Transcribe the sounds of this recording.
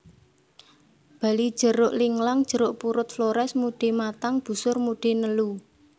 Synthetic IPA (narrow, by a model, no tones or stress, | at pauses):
b̥a̤lid̥ʒ̥ə̤ɾʊʔliŋlaŋd̥ʒ̥ə̤ɾʊʔpuɾʊt̪floɾɛsmuɖ̥e̤mat̪aŋb̥ṳsʊrmuɖ̥e̤nəlu